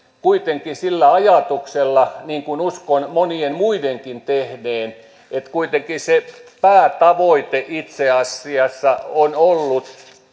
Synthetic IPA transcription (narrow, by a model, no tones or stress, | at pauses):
kuit̪eŋkisilːæɑjɑt̪ukselːɑniːŋkunuskonmonienmuideŋkint̪ehneːn | et̪kuit̪eŋkisepæːt̪ɑʋoit̪eʔit̪seɑsːiɑsːɑonolːut̪